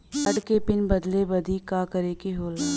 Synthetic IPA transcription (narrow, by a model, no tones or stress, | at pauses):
əɽkeːpɪnbəd̪lebəd̪iːkaːkəɾeːkeɦoːl